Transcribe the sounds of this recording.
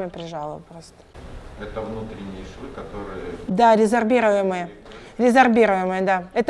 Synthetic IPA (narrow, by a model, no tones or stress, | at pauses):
mʲəpɾʲɪʐɑlˠəpɾost̪ə̥ɛt̪əvnut̪ɾʲɪnʲːɪjʂɨkɐt̪oɾɨjəd̪aɾʲɪzɐrbʲiɾəvjɪmɨjəɾʲɪzɐrbʲiɾʊjɪmɨjəd̪aɛt̪ə